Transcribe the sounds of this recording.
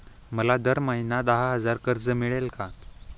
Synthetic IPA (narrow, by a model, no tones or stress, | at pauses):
məlad̪əɾməɦinad̪əɦaɦəd͡zaɾkəɾd͡zəmiɭelka